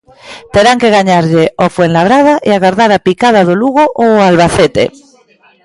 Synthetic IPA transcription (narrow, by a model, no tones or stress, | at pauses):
t̪eɾaŋkeɣ̞aɲaɾʎeofwenlaβ̞ɾað̞aʔiaɣaɾðaɾapikað̞aðoluɣ̞oʔoalβaθet̪ḛ